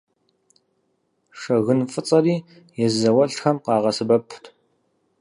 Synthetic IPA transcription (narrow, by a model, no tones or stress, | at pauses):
ʂɐɣɨnfʼɨt͡sʼɐɾiː | jɛzzɐwɐɬxɐmqɑːʁɐsɨbɐpʰtʰ